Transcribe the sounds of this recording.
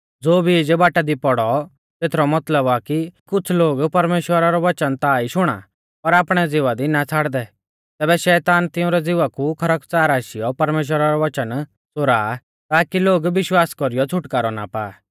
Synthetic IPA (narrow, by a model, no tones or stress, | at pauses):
d͡zoːbʱid͡ʒbaːʈad̪ipɔɽɔ | t̪eːt̪ʰɾɔmɐt̪ləbakikʊt͡sʰloːɡpɐɾmeːʃwəɾaɾɔʋɐt͡ʃənt̪aːiʃʊɽ̃a̰ | pɐɾaːpɽ̃ɛd͡zɪʋad̪inat͡sʰaːɽd̪ɛ | t̪ɛːbɛʃɛːt̪aːnt̪ɪʊ̃ɾɛd͡zɪʋakukʰɐɾəkt͡saːɾaːʃɪjɔpɐɾmeːʃ̬wəɾaɾɔʋɐt͡ʃən | t͡sʊɾaː | t̪aːkiloːɡʋɪʃwaːskɔɾijɔt͡sʰʊʈkaːɾɔna̰paː